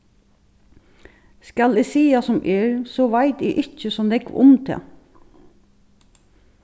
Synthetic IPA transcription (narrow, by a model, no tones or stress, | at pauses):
skalɛsiːasɔmʔɛːɹsɔʋajt̪ɛʔɪt͡ʃːəsɔnɛkʋʊ̰mt̪ʰɛ̰ː